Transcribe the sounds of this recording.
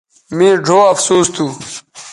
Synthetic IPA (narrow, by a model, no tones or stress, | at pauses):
mĩːɖʱoːɐfsuːst̪ʰuː